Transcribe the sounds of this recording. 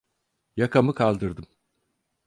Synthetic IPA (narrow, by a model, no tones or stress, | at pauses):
jakʰamɯkʰalˠd̪ɯɾd̪ɯm